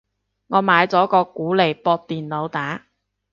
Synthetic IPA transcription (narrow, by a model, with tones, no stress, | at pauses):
ŋɔː˨˧maː˨˧jt͡sɔː˨˥kɔː˧kuː˨˥le˨˩jpɔː˧t̚t̪iː˨nlo˨˧wt̪aː˨˥